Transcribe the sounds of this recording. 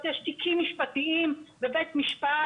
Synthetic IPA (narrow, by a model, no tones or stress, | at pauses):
t̪jeʃt̪ikimːiʃpat̪iimbevejt̪miʃpa